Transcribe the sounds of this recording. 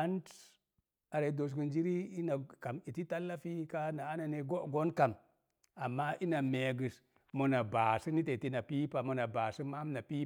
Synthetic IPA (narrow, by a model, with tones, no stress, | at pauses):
a˦n˦t | a˨ɾa˨i˦do˨s̬ku˨nd͡ʒi˦ɾi˦i˦na˨ka˨mi˨ti˦ta˦lːa˦fi˦ka˦na˨a˦na˨ne˨ɡo˦ʔɡo˦nka˨m | a˨mːa˦ʔi˦na˨me˨ɡɨ˨s | mo˨na˨ba˨si˦ni˦te˨i˨ti˦na˨pi˦pa˨mo˨na˨ba˨si˦ma˦m˦na˨pi˦